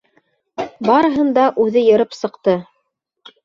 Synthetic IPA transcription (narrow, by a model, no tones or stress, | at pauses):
bɑɾɤ̆ɦɤ̆nd̪ɑʔʉðɘjɤ̆ɾɤpsɤ̆qt̪ɤ